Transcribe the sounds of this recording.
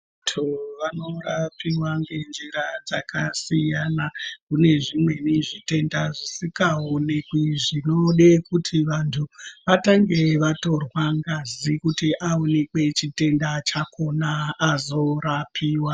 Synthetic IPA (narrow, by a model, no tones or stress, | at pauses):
tʰoʋano̞rapʰiwaŋɡe̞nd͡ʒiɾad͡zakʰasijanakune̞ʐimwe̞niʐite̞ndaʐisikaone̞kwiʐinoɗekutʰiʋantʰuʋataŋɡe̞ʋato̞rwaŋɡazikutiʔaone̞kwe̞t͡ʃite̞ndat͡ʃako̞naːzo̞rapʰiːwa